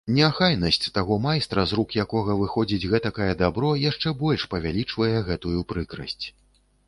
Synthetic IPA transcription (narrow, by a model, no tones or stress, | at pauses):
nʲɛaxajnɐsʲt͡sʲt̪aɣɔmajst̪ɾɐzɾukjakɔɣɐvɨxɔd͡zʲid͡zʲɣɛt̪ɐkajɛd̪abɾɔjaʂt͡ʂɛbɔlʲʂpɐvʲalʲit͡ʂvɐjɛɣɛt̪ujupɾɨkɾɐ̰sʲt͡sʲ